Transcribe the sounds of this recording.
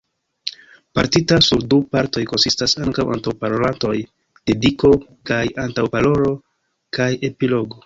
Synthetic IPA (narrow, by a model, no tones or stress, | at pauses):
paɾtitasuɾdupaɾto̞jko̞nsistasaŋkawʔa̰ntawpaɾolanto̞j | d̥e̞diko̞kajantawpalo̞ɾo̞ | kaje̞pilo̞ɡo̞